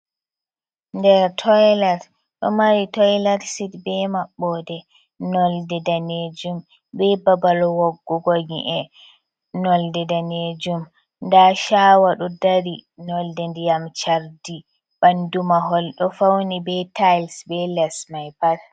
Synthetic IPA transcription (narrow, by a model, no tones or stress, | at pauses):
ndɛɾtʰɔjlaɾ | ɗɔ̰maɾitɔjlaɾsitbɛmaɓːɔdɛ | nɔldɛdaned͡ʒum | bɛbabalɔwɔɡːɔɡɔɡḭʔɛ | nɔldɛdaned͡ʒum | ndaʃawaɗɔdaɾinɔldɛndijamt͡ʃaɾdi | bandumaɦɔlɗɔfawnibɛtʰajlsbɛlɛsmajpal